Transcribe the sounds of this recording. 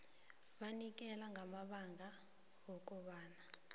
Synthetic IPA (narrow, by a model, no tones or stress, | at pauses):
ɓanik̬ʼɛlaŋɡʱamaɓaŋɡʱa | wɔk̬ʼɔɓaːna